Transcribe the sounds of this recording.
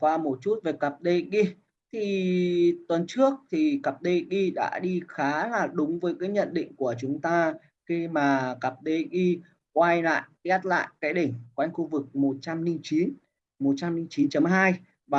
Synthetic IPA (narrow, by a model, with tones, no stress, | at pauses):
kwaː˧mo˨˩t̚t͡ɕu˦˥t̚ve˨˩kə˨˩p̚ɗe˧ɣi˧ | t̪ʰi˨˩t̪wə˨˩nt͡ɕɨ˦˥ək̚t̪ʰi˨˩kə˨˩p̚ɗe˧ɣi˧ɗa̰ː˧˥ɗi˧xaː˨˦laː˨˩ɗʊ˨˦ŋ͡mvəː˨˦jkaː˨˦jɲə̰˧˨nɗḭ˧˨ŋ̟ku˧˩ət͡ɕʊ˨˦ŋ͡mt̪aː˧ | xi˧maː˨˩kə˨˩p̚ɗe˧ɣi˧ | kwa˧jla̰ː˧˨jʔa˦˥t̚la̰ː˧˨jkaː˨˦jɗi˧˩ŋ̟kwa˧jŋ̟xu˧vɨ˨˩k̚mo˨˩t̚t͡ɕa˧mnï˧ŋt͡ɕi˨˦n | mo˨˩t̚t͡ɕa˧mni˧ŋt͡ɕi˨˦nt͡ɕə˨˦mɦaː˧j | vaː˨˩